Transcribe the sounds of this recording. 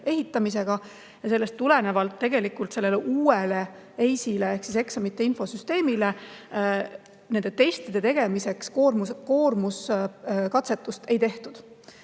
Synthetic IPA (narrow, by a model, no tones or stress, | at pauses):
e̞ɦit̪ːˑɑmise̞ɡ̥ɑ | jɑse̞lːest̪ːule̞ne̞vɑlt̪ːe̞ɡ̥e̞likult̪se̞lːe̞leʔuːele | ejsile̞e̞hksise̞ksɑmit̪ːˑeinfo̞syst̪e̞ːmile̞ | ne̞nd̪e̞t̪e̞st̪id̪e̞t̪e̞ɡ̥e̞mise̞kskormusko̞ːrmuskɑt̪se̞t̪ːˑust̪e̞jt̪e̞ht̪ud̪̥